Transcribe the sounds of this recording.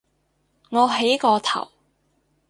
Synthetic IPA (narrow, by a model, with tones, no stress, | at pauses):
ŋɔː˨˧ɦe˨˥jkɔː˧t̪ʰɐ̰˨˩w